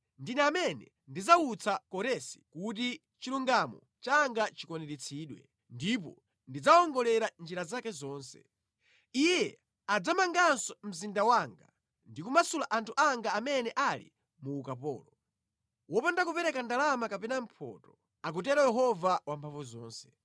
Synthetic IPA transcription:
ndinɛːmɛnɛ | ndid͡zaut͡sʰakɔɾɛsi̥kut̬i | t͡ʃiluŋɡamɔ̰ | t͡ʃaŋɡat͡ʃikɔnɛɾit͡sʰiːɗwɛ̰ | ndip̬ɔ̰ | ndid͡zaɔŋɡɔlɛɾand͡ʒiɾazakɛzɔːnsɛ̰ | ijɛ | ad͡zamaŋɡansɔm̩zindawaŋɡa̰ | ndikumasulaʔantʰuʔaŋɡaːmɛnɛʔalḭ | muːkapɔ̰ːlɔ | wɔpandakupɛɾɛkandalamakapɛnam̩pʰɔ̰tɔ | ak̬ut̬ɛɾajɛɦɔvawampʰaɱvuzɔːnsɛ̥

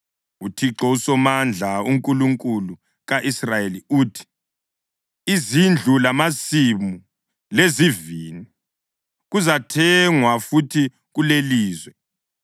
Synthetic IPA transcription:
utʰiǁɔusɔmand͡ɮʱauŋkʼuluŋkʼulu | ɣaʔisrajeliuːtʰi̥ | izind͡ɮʱulamasimu | lezivini | ɣuzatʰɛŋwafutʰi | ɣuleliːzwɛ

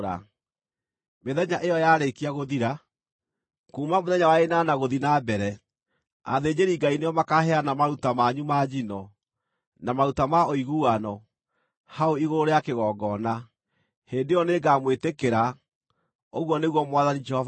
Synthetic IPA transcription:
ɾa̰ | meðɛɲaʔejɔjaɾekiaɣoðiɾa | kuːmamoðɛɲawaenanaɣoðinabɛɾɛ | a̰ðeːd͡ʑeɾiːɡainejɔmakahɛanamaɾutamaɲumad͡ʑinɔ | namaɾutamaoiɣuanɔ | haoiɣoɾoɾeakeɣɔːɡɔna | heːndejɔneɡaːmwetekeɾa | oɣwɔneɣwɔmwaðanid͡ʒɛhɔva

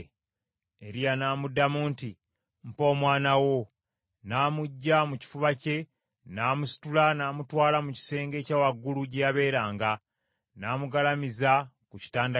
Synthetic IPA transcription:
e̞ɾijanaːmudːamuːnti | m̩po̞ːmwaːnawo̞ | naːmuɟːamuci̥fuβace̞ | naːmusi̥tulanaːmutwaːlamuci̥se̞ːŋɡe̞ːcaːwaɡːuluɟejaβe̞ːɾaːŋɡa | naːmuɡalamiza | kuci̥taːnda

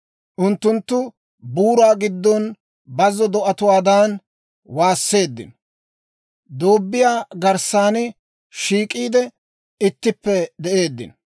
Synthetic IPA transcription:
ʔʊnt̪ːʊnt̪ːʊ | buːɾaːɡɪd̪ːɔn | bɐzːɔd̪ɔʔɐt̪ʊwaːd̪aːn | waːsːe̞ːd̪ːɪ̰n | d̪oːbːɪjaːɡɐɾsaːnɪ | ʃiːkʼiːd̪ɛ | ɪt̪ːɪpːɛd̪ɛʔe̞ːd̪ːɪ̰n

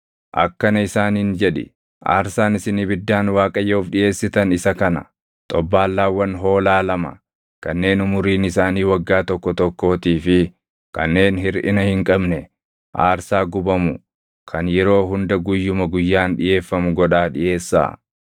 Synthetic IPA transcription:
ʔɐ̰kːɐnɐɪsaːniːnd͡ʒɛᶑɪ̰ | ʔa̰ːɾsaːnɪsɪnibɪd̪ːaːnwaːkʼɐjːɐʊfᶑɪje̞ːsːɪt̪ɐnɪsɐkɐnɐ̰ | t̪ʼɔbːaːlːaːwːɐnɦo̞ːlaːlɐmɐ̰ | kɐnːe̞ːnʊmʊɾiːnɪsaːniːwɐɡːaːt̪ɔkːɔt̪ɔkːo̞ːt̪iːfɪ | kɐ̰nːe̞ːnɦɪɾʔɪnɐhɪŋkʼɐbnɛ | ʔa̰ːɾsaːɡʊbɐmʊ | kʰɐnjɛɾo̞ːɦʊnd̪ɐɡʊjːʊmɐɡʊjːaːnɗɪje̞ːfːɐmʊɡɔᶑaːᶑɪje̞ːsːa̰ː

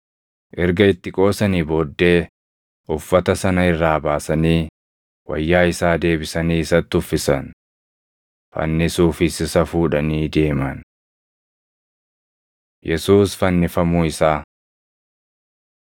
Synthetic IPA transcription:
ʔɛɾɡɐɪt̪ːɪkʼo̞ːsɐniːbo̞ːd̪ːe̞ː | ʔʊfːɐt̪ɐsɐnɐɪrːaːbaːsɐniː | wɐ̰jːaːɪsaːd̪e̞ːbɪsɐniːɪsɐt̪ːʊfːɪsɐn | fɐ̰nːɪsuːfɪsɪsɐfuːᶑɐniːd̪e̞ːmɐn | jɛsuːsfɐnːɪfɐmuːɪsaː

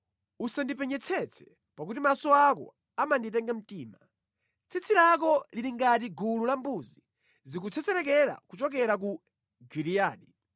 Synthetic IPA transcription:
usandipɛɲɛt͡sʰɛt͡sʰɛ̥ | pakutimasɔakɔ̰ | amanditɛŋɡam̩tiːma | t͡sʰit͡sʰilak̬ɔliɾiŋɡat̬iɡululambuzi | zik̬ut͡sʰɛt͡sɛɾɛk̬ɛɾa̰kut͡ʃɔk̬ɛɾak̬u | ɡiɾijaːɗi

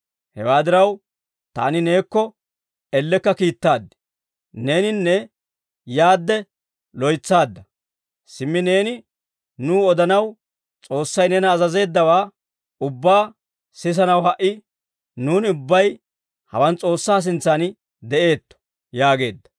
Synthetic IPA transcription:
hɛ̰waːd̪ɪɾɐw | t̪a̰ːnɪne̞ːkːɔ | ɛlːɛkːɐkiːt̪ːaːd̪ːɛ̥ | ne̞ːnɪnːɛ | jaːd̪ːɛ | lɔjt͡sːaːd̪ːɐ | sɪmːɪne̞ːnɪ | nuːɔd̪ɐnɐw | t͡sʼo̞ːsːɐjnɛnɐːzɐze̞ːd̪ːɐwaː | ʊbːaː | sɪs̬ɐnɐwhɐʔɪ | nuːnɪʊbːɐj | hɐ̰wɐnt͡sʼo̞ːsːaːs̬ɪnt͡sːanɪ | d̪ɛʔe̞ːt̪ːɔ̥ | jaːɡe̞ːd̪ːɐ

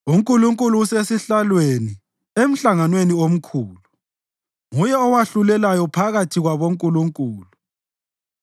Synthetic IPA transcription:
uŋkʼuluŋkʼuluːsesiɬalweni | em̩ɬaŋanweniom̩kʰuːlu | ŋujɛɔwaɬulɛlajɔpʰaɣatʰiɣwaβoŋkʼuluŋkʼuːlu

